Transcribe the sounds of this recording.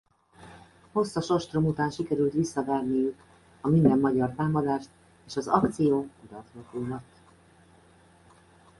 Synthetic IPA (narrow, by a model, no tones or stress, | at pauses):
ho̞sːɒʃoʃt̪romut̪aːnʃikɛɾylt̪ʋisːɒvɛrnijyk | ɒmind̪ɛmːɒɟɒrt̪aːmɒd̪aːʃt̪ | eːʃɒzɒkt̪sijoːud̪ɒt̪lokuːmɒt̪ː